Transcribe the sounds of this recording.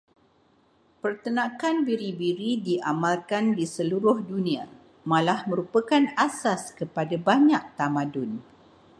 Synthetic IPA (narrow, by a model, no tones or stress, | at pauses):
pərt̪ənãkanbiɾibiɾidiʔamalkandisəluɾʊhdunĩa | mãlahmə̃ɾupəkanasaskəpadabaɲak̚t̪amãdʊn